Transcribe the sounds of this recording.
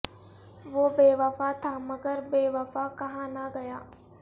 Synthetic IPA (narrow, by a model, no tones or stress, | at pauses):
ʋoːbeːʋafat̪ʰaːmɐɡəɾbeːʋafakɐɦãnɐɡɐjaː